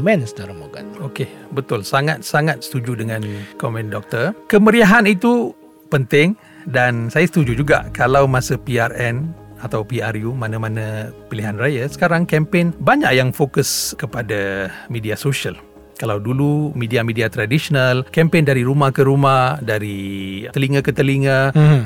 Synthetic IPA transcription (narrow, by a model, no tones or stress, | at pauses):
mɛnsədaɾamoɡat̪okebət̪ʊlsaŋat̪̚saŋat̪̚sə̥t̪ud͡ʒudəŋãnkɔmɛ̃ndɔk̚t̪ərkəməɾiaɦanit̪u | pənt̪ɪŋ | dansajasət̪ud͡ʒud͡ʒuɡa̰ʔkalawmasəpiarɛnat̪awpiarjumanãmanãpiliɦanrajasə̥kaɾaŋkɛmpenbaɲa̰ʔjaŋfokəskəpadamidiasoʃal | kalawdulumidiamidiat̪ɾadisonalkɛmpendaɾiɾumahkəɾumahdaɾit̪əliŋə̃kət̪əliŋə̃